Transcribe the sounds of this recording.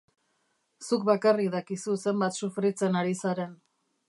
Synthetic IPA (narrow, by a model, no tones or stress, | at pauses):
suk̚bakarikðakisuse̞mbat̪sufɾit͡se̞naɾisaɾe̞n